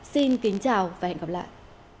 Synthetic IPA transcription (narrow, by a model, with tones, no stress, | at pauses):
si˧nkï˨˦ŋ̟t͡ɕaː˨˩wvaː˨˩hɛ̰˧˨nɣaː˧p̚la̰ː˧˨jʔ